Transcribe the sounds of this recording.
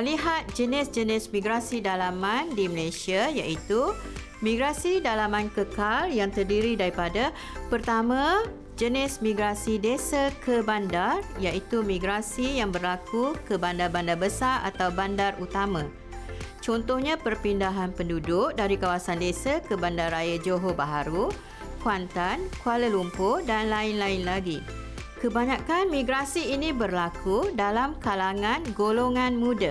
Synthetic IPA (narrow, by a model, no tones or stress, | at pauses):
əliɦat̪̚d͡ʒənɪsd͡ʒənɪsmĩɡɾasidalamãndiməlasiajaʔit̪u | mĩɡɾasidalamãnkəkaljaŋt̪ərdiɾidaɾipada | pərt̪amã | d͡ʒənɪsmĩɡɾasidesakʰəbandarjaʔit̪umĩɡɾasijaŋbərlakukəbandarbandarbəsara̰t̪awbandarut̪amã | t͡ʃɔnt̪ɔhɲãpərpindaɦanpəndudʊk̚daɾikawasandesakəbandarajad͡ʒoɦobaɦaɾu | kwant̪ankwaləlumpʊdanlaɪnlaɪnlaɡi | kəbaɲãkanmĩɡɾasiːnĩbərlakʰudalamkalaŋãnɡoloŋãnmũda